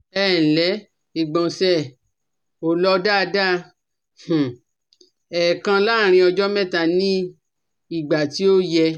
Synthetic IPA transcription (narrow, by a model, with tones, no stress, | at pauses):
ɛ˦˨n̩˨lɛ˨˦ | i˨ɡ͡bɔ̃˨sɛ˦˨ | o˨lɔ˧da˦˧da˦ | h̩˨ | ɛ˨kã˧la˦˨ɾ̃ĩ˧ɔ˧d͡ʒɔ˦mɛ̃˦ta˨nĩ˦ | i˦˨ɡ͡ba˨ti˨˦o˦jɛ˧